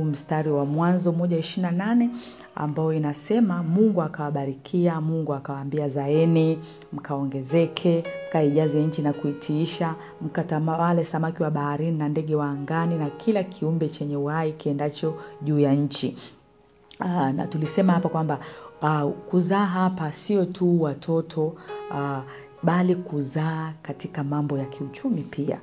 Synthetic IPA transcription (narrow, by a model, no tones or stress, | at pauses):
um̩staɾiwamwanzɔmɔʄaiʃinananɛ | a̰mbajɔinasɛmamuŋɡuakawaɓaɾikʰiamuŋɡuakawaːmbiazaɛni | m̩kʰaɔŋɡɛzɛkʰɛm̩kaiʄazɛɲ̩t͡ʃinakuitʰiiʃa | m̩katamawalɛsamakiwaɓahaɾininandɛɠɛwaːŋɡaninakʰilakʰiumbɛt͡ʃɛɲɛuhaikiɛndat͡ʃɔʄuːjaɲ̩t͡ʃi | na̰tulisɛmahapakwamba | kuzaːɦapasiɔtʰuwatʰɔtʰɔ | ɓalikuzaːkatikamambɔjakʰiut͡ʃumipʰia̰